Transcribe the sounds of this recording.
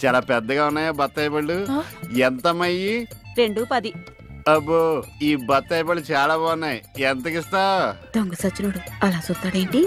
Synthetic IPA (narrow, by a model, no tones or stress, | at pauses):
t͡ʃaːlaːpɛd̪ːɐɡaːunːaːjaːbɐt̪ːɐjbɐɭːuent̪ɐmɐjiɾeɳɖupɐd̪i | ɐboiːbɐt̪ːɐjpɐɭːut͡ʃaːlaːboːnːejɛnt̪̬ɐkist̪aːd̪oŋɡɐsɐt͡ʃːunoːɽuɐlaːt͡ʃust̪ːaːɽeːɳʈi